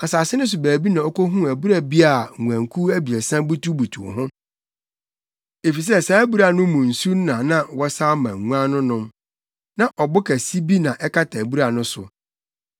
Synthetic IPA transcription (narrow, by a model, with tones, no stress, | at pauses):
a˨saː˨sɪ˦nʊ̃˦s̬ʊ˨bæː˨bi˦nã˨ɔ˦ko˦ɦũ˦æ˨bu˦ɾa˦˨bi˦a˨ŋũ˨æ̃˨ŋkʰu˦æ˦bi˨ɛ˨sã˦bu˦tu˦bu˨tʰu˨o̰˨ɦʊ̃˦ | e˨fi˨s̬ɛ˦sa˨æ˦bu˦ɾa˨nʊ̃˦mʊ̃˨n̩˨su˦n˦nã˨nã˦wɔ˦saː˦mã̰˨ŋ˨ŋũ˦ã˦nʊ̃˦nʊ̃˦m | nã˨ʔɔ˨bʊ˦kʰæ˨si˦bi˦nã˨ʔɛ˦kʰa˦tʰa˨bu˦ɾa˨nʊ̃˦sʊ̰˨